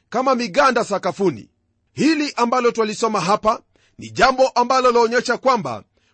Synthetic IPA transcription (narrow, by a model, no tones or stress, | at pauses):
kamamiɠandasakafunḭ | hiliʔambalɔtwalisɔmaɦapa | nḭʄambɔʔambalɔlːɲɛʃakwamba̰